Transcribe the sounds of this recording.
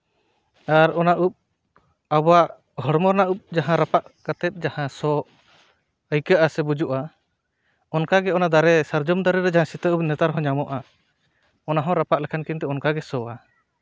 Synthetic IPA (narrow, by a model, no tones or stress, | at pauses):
aɾɔnaʔup̚ | abɔaʔ | ɦɔɽmɔɾnaʔup̚d͡ʒaɦãɾapaʔkat̪ɛt̪̚ˀd͡ʒahãsɔ | əjkaʔasɛbud͡ʒuʔa | ɔnkaɡɛɔnad̪aɾɛsaɾd͡ʒɔmd̪aɾɛɾɛd͡ʒaɦãsit̪əup̚nɛt̪aɾɦɔ̃ɲamɔʔa | ɔnaɦɔ̃ɾapaʔlɛkʰankint̪ɛɔnkaɡɛsɔwa